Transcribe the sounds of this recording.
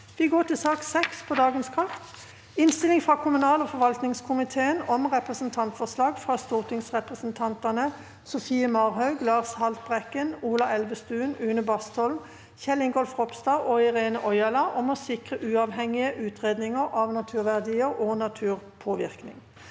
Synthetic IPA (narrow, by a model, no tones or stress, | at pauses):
ʋɪɡoːʈ̪ɪsɑːksɛkspʰɔd̪ɑːɡənskʰɑʁt̪ | ɪnst̪ɪlɪŋfʁɑkʰʊmʉnɑːlɔfɔʁʋɑlt̪nɪŋskʰʊmɪt̪ʰeːənɔmʁɛpʁəsn̩t̪ʰɑnt̪fɔʁslɑːɡfʁɑːst̪uːʁt̪ʰɪŋsʁɛpʁəsnt̪ʰɑnt̪ɑnə | sɔfiːəmɑːʁɦɑʉɡlɑːʁshɑlt̪̚bʁɛkːənuːlɑɛlʋəst̪ʉːnʉːnəbɑst̪ɔlm | çɛlɪŋɡɔlfʁɔpst̪ɑːʔɔɪʁeːnəʔɔʏɑlɑʔɔmɔsɪkʁəʔʉːɑʋɦɛŋɪəʔʉːt̪ʰʁeːd̪nɪŋəʁɑʋnɑt̪ʰʉːʁʋæʁd̪iːəʁoːnɑt̪ʰʉːʁpʰoːʋɪ̰ʁknɪ̰ŋ